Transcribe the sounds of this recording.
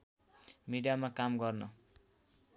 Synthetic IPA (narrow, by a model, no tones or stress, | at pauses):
miɽijamakamɡʌrnʌ